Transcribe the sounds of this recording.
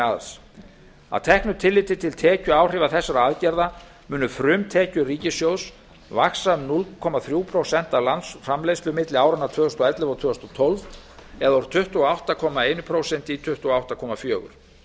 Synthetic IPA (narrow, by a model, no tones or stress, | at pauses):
aðs | a̰wt̪ʰɛhknʏt̪ʰɪlːɪt̪ɪt̪ʰɪlt̪ʰɛːcʏaːwr̥ɪːvaθɛsːaɾaaðcɛɾða | mʏːnʏfɾʏmt̪ʰɛːcʏriːcɪsjows | vaksanulkʰɔmaθɾjuːpʰɾowsɛn̥t̪alansfrɾamlejst̪lʏmɪt̪lɪaːwɾanːaɾt̪ʰv̥œːœst̪ɔɛt̪lɪvawt̪ʰʏːʏst̪ɔt̪ʰolvɛðaɔɾ̥t̪ʰʏht̪uɔawht̪akʰɔːmaeːjnʏpʰɾowsɛnt̪it̪ʰʏht̪uawht̪akʰɔːmafjœːɣʏ̰ɾ̥